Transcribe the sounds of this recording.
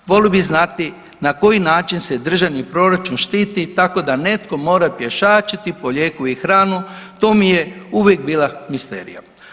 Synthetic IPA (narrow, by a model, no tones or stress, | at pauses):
ʋo̞ljobiznat̪i | nako̞jinaːt͡ʃinsed̪r̩ʒaʋnipɾo̞ɾat͡ʃunʃt̪iːt̪it̪ako̞d̪ane̞t̪ko̞mo̞ːɾapje̞ʃaːt͡ʃit̪ipo̞ʎje̞ːkuixɾaːnut̪o̞ːmijeuʋjek̚biːlˠamist̪ḛːɾḭja̰